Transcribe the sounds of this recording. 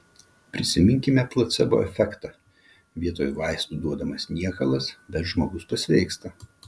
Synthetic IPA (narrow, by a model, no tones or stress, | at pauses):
pʲɾʲɪsʲɪmʲɪŋʲkʲɪmʲɛplˠɐt̪sʲɛbʊ̰ɛfʲɛkt̪ɐ | ʋʲiɛt̪oːjuʋɑˑɪst̪ud̪uɔd̪ɐmɐsnʲiɛkɐlˠɐsbʲɛt̪ʒmoːɡʊspɐsʲʋʲɛɪkst̪ɐ